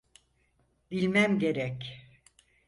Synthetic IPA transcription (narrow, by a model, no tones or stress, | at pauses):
b̥ilʲmæmɟe̞ɾɛc